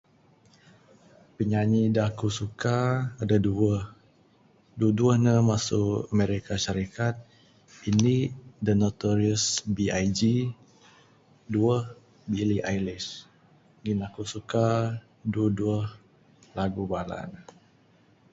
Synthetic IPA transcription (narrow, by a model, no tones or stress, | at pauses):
pəɲaɲidakusukaːdaduəh | duəduəhnəmasuameɾikaʃaɾikat̪̚ | inidənot̪ɔɾiəsbiajd͡ʒi | duəh | biliʔajlis | ɡinakusuka | duəduəh | laɡubala̰n